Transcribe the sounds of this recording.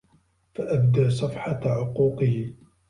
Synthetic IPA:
faʔabd̪aʔsˤɑfħɑʕʊquːqɨhɪ

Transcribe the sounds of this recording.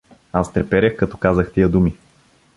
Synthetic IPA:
ast̪ɾɛpɛɾʲəxkɐt̪ɔkazəxt̪ijəd̪umi

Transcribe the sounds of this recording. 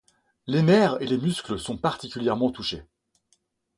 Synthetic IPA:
lenɛʁelemyskləsɔ̃paʁt̪ikʲyljɛʁmɑ̃t̪uʃe

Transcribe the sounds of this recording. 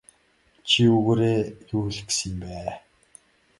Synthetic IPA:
t͡ɕʰiuɣoːɾeːjuːɮ̆ksĭmpæː

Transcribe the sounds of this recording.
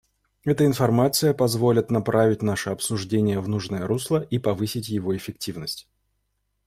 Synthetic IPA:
ɛt̪əɪnfɐrmat̪sɨjəpɐzvo̞lʲɪt̪nɐpɾʔavʲɪtʲnaʂɨɐpsʊʐdʲenʲɪjəvnuʐnəjəɾuslˠəʔipɐvɨsʲɪtʲjɪvo̞ɪfʲɪk̚tʲivnəsʲtʲ

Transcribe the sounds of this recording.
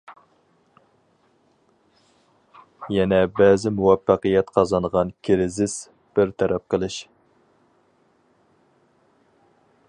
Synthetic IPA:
jɛnɛbɛːzɪmuwɛfːɑqəjɛt̪qʰɑzɑnʁɑnkʲʰɪɾɪzɪs | b̥ɪɾt̪ʰɛɾɛp̚qəlˠɨʃ

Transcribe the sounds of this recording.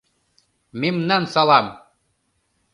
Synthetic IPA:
memnɑnsɑlˠɑm

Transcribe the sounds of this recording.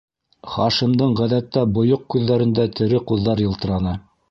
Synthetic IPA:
χɑʃimd̪ɤɴʁæðæt̪ːæbŏjoq̚kʉðːæɾɘ̆nd̪æt̪ʰɘ̆ɾɘquðːɑɾjɤ̆lˠt̪ɤ̆ɾɑnɤ

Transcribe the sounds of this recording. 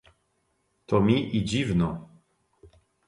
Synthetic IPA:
t̪ɔmʲiʔid͡ʑivnɔ

